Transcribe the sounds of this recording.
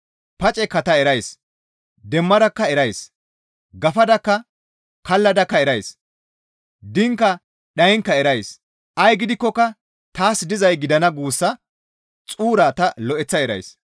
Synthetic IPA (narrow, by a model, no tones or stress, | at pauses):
pɐt͡ʃʼɛkːɐt̪ɐɛɾɐjs | d̪ɛmːɐd̪ɐkːɐɛɾɐjs | ɡɐfɐd̪ɐkːɐ | kɐlːɐd̪ɐkːɐɛɾɐjs | d̪ɪŋkːɐ | ɗɐjŋkːɐɛɾɐjs | ʔɐjɡɪd̪ɪkːɔkːɐ | t̪aːsd̪ɪzɐjɡɪd̪ɐnɐɡuːsːɐ | t͡sʼuːɾaːt̪ɐlɔʔɛt͡sːɐɛɾɐ̰js